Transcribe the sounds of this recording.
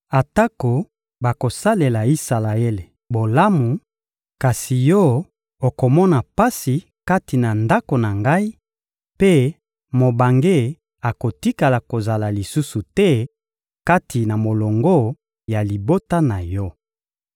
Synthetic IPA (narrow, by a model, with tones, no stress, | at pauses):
a˨ta˦ko˨ | ba˨ko˨sa˦le˨la˨i˦sa˨la˨e˦le˨ | bo˨la˦mu˨ | ka˨si˨jɔ˦ | o˨ko˨mɔ˦na˨pa˦si˨ | ka˦ti˨na˨nda˦ko˨na˨ŋɡa˦i˦ | pe˦ | mo˨ba˨ŋɡe˦˨ | a˨ko˨ti˦ka˨la˨ko˨za˨la˨li˨su˦su˨tɛ˦ | ka˦tʰi˨na˨mo˨lo˨ŋɡo˦ | ja˨li˨bo˦ta˦na˨jɔ˦